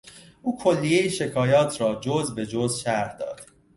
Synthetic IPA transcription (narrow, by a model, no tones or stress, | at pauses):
ʔuːkʰolːijejiʃe̞kʰɒːjɒːt̪ʰɾɒːd͡ʒoːzbe̞d͡ʒoːzʃæɾhd̪ɒ̰ːd̪̥